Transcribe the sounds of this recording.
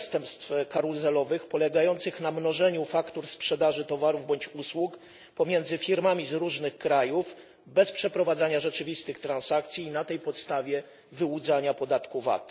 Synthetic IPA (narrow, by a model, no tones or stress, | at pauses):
st̪ɛmpst̪fkaɾuzɛlɔvɘxpɔlɛɡajɔnt̪sɘxnamnɔʐɛɲufakt̪uɾspʂɛd̪aʐɘt̪ɔvaɾuvbɔɲt͡ɕuswuk | pɔmʲjɛnd̪zɘfʲiɾmamʲizɾuʐnɘxkɾajuf | bɛspʂɛpɾɔvad̪zaɲaʐɛt͡ʂɘvʲist̪ɘxt̪ɾansak̚t̪sʲjiːnat̪ɛjpɔt̪st̪avʲjɛ | vɘud̪zaɲapɔd̪at̪kuva̰t̪